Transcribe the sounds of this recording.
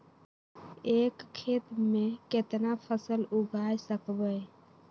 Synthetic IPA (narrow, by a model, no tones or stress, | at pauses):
ekkʰːet̪meket̪napʰəsəluɡʱajsəkbə